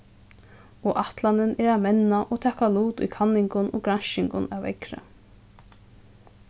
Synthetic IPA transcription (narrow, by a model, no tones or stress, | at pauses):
ɔʔaht̪lanɪnʔɛɾamɛnaʔɔt̪ʰaːkaluːt̪ʊ̰jkʰanːɪŋkʊnʔɔ̰ːɡɾanʃɪŋkʊna̰wɛ̰kɾə̰